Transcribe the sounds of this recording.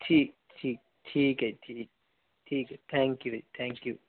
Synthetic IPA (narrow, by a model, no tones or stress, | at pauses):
ʈʰiːk̚tʰiːk̚tʰiːkeitʰiːk̚ | tʰiːket̪ʰɛ̃ŋkjṵt̪ʰɛ̃ŋkjuː